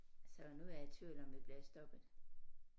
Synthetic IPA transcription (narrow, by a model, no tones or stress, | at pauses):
sɒnuæɐe̥t͡sʰy̰ːlɒ̽mʋib̥liɐsd̥ɒ̽b̥ð̩ˠ